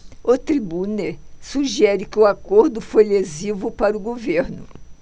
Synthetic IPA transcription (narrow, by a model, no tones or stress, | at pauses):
ʊt̪ɾibuneɾsuʒɛɾɪkɪʊakoɾd̪ʊfojlezivʊpaɾʊɡoveɾnʊ